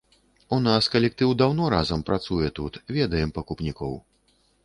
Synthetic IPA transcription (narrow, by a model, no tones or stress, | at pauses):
unaskɐlʲɛk̚t̪ɨwd̪awnɔɾazɐmpɾat̪sujɛt̪ut̪vʲɛd̪ɐjɛmpɐkupnʲikɔw